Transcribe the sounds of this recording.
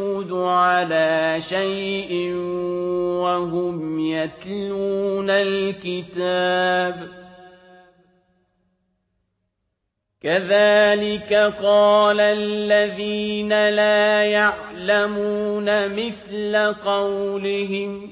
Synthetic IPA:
ʊd̪ʊʕalaːʃajʔɪ | waɦʊmjat̪luːnalkɪt̪aːb | kaðaːlɪkaqɑːlalːaðiːnalaːjaʕlamuːnamɪθlaqɑwlɪɦɪm

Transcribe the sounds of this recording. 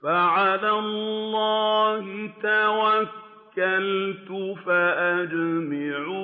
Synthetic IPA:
faʕalallːɑːhɪt̪awakkː | alt̪ʊfaʔad͡ʒmaʕu

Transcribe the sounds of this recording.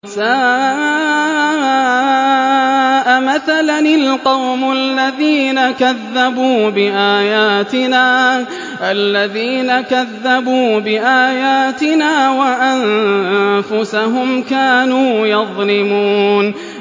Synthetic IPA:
saːʔʔa | ʔamaθalanɪlqɑwmʊalːaðiːnakaðːabuːbɪʔaːjaːt̪ɪnaː | ʔalːaðiːnakaðːabuːbɪʔaːjaːt̪ɪnaːwaʔan | fʊsaɦʊmkaːnuːjɑðˤlɪmuːn

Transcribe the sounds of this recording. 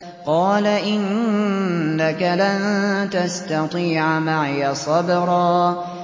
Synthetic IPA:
qɑːlaʔɪnː | akalant̪ast̪ɑt̪ˤiːʕamaʕjasˤɑbɾˤɑː

